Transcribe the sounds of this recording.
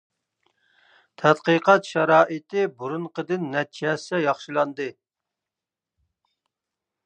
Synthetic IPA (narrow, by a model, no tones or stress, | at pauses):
t̪ʰɛt̪qəqɑt̪ʃɑɾɑːʔɨt̪ɪbuɾunqʰəd̪ɨnːɛt̪̚t͡ʃʰɛsɛjɑχʃilˠɑnd̪ɨ